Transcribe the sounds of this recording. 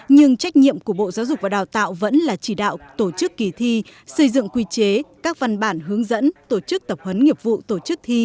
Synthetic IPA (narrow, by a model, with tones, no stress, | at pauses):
ɲɨ˧ŋt͡ɕa˦˥jk̟̚ɲḭ˧˨əmku˧˩əɓo̰˧˨zaː˨˦zʊ˨˩vaː˨˩aː˨˩wt̪a̰ː˧˨wvə̰˧˥nlaː˨˩t͡ɕi˧˩ɗa̰ː˧˨wt̪o˧˩t͡ɕɨ˦˥kːi˨˩t̪ʰi˧sə˧jzɨ̰˧˨ŋkwi˧t͡ɕe˨˦kaː˦˥k̚va˨˩nɓaː˧˩nɦɨ˨˦əŋzə̰˧˥nt̪o˧˩t͡ɕɨ˦˥k̚t̪ə˨˩p̚hə˨˦nŋi˨˩əp̚vṵ˧˨t̪o˧˩t͡ɕɨ˦˥k̚t̪ʰi˧